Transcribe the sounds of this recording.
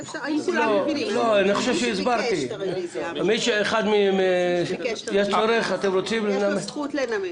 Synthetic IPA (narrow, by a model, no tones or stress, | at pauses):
loloaniχoʃevʃeizbaɾt̪i | amit̪ʃeeχad̪mime | jeʃt͡soɾeχat̪emɾot͡simlifneame